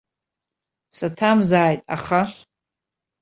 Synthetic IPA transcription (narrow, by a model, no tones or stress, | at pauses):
satʰamzaːjtʼa̰χa